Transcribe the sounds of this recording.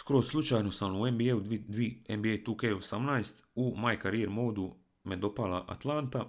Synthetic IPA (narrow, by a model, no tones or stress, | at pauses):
skɾosslˠut͡ʃaːjnosamuembieuid̪ʋiembiejt̪ukejosamnajst̪umajkaɾiɾmo̞ːd̪u | med̪o̞palˠaʔa̰t̪lˠant̪a